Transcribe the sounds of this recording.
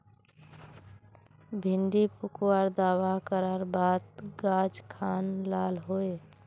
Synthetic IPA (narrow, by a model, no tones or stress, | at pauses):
bʱɪɳɖipukwaɾd̪awakəɾəɾbaːd̪ɡad͡ʒkʰanlaːlɦoe